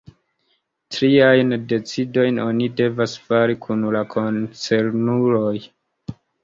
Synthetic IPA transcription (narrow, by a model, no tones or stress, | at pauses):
tɾiajnde̞t͡sido̞jno̞nide̞vasfaɾikʰunlakʰont͡se̞ɾnuɾo̞j